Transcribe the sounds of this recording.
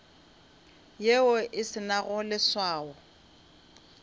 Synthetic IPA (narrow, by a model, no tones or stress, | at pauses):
jeʊʔɪsɪnaɣʊlɪswaːɔ